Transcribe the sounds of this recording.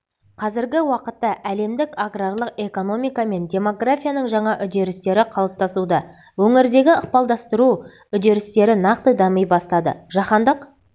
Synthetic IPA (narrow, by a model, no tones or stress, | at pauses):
qʰɑzɪɾɡʲɪwɑqət̪ːɑʔæle̞md̪ɪkaɡrarlˠəqe̞ko̞no̞mijkame̞ndʲe̞mo̞ɡrafʲijanəɴʒɑɴɑʔʏd̪e̞ɾɪst̪e̞ɾɪqʰɑlˠəp̚t̪ɑsud̪ɑ | wɵŋɪɾd̪e̞ɡʲɪəqpɑlˠd̪ɑst̪əɾu | ʏd̪e̞ɾɪst̪e̞ɾɪnɑqt̪əd̪ɑməjbɑst̪ɑd̪ə̰ʒ̥ɑχɑnd̪əq